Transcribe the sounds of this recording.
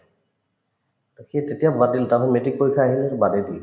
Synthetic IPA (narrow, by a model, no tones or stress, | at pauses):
kʰiet̪et̪ijabadilt̪anɔmeʈik̚pojkʰaːɦileɾbad̪ed̪il